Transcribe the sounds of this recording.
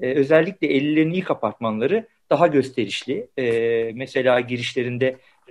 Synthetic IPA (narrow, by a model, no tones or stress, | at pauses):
ɛø̞zɛlʲːicʲlʲɛelʲːilʲːeɾinijikʰapʰaɾt̪̚manlˠaɾɯ | d̪̥aɦaɟø̞st̪ʰe̞ɾiʃlʲɪɛːmɛse̞lʲaːɟiɾiʃlʲe̞ɾind̪ɛ